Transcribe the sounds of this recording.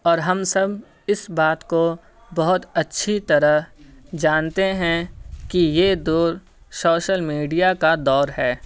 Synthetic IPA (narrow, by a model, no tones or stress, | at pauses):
ɔːɾɦɐmsɐb | ɪsbaːt̪ko | bɐɦʊt̪ɐtːʃʰit̪ɐɾəɦd͡ʒaːnt̪eɦɛ̃kijed̪oːɾ | soːʃəlmiːɖijakad̪ɔːɾɦɛː